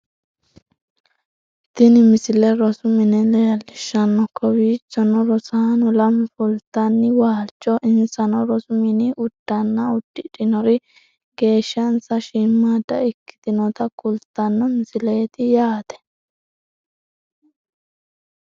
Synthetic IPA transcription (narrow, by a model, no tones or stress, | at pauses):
t̪ɪnɪmɪsɪlɛɾɔsʊmɪnɛlɛjɐlːɪʃːɐnːɔkʰːɔwiːt͡ʃːɔnɔɾɔsaːnɔlɐmfʊlt̪ːɐnːɪwaːt͡ʃʼːɔʔɪnsɐnɔɾɔsʊmɪnɪʔʊd̪̥ːɐnːɐʊd̪̥ːɪᶑɪnɔɾɪ | ɡe̞ːʃːɐnsɐʃɪmːaːd̪ɐɪkːɪ̥t̪ɪnɔt̪ɐkʊlt̪ːɐnːɔmɪsɪleːt̪ɪjaːt̪ɛ̥